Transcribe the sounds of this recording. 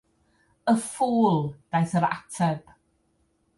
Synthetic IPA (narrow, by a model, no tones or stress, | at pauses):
əfuːlˠd̥ajθəɾa̰tʰɛb̥